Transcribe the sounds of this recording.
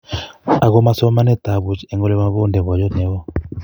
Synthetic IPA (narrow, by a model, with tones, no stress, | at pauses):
a˨ɣɔ˦ma˦sɔ˦ma˦nɛ˦t̪a˨βu˦t͡ʃɛ˦˨ŋɡɔ˦lɛ˦ma˦βo˦ndɛ˨βɔ˨jɔ˦nɛ˨˦wɔ˦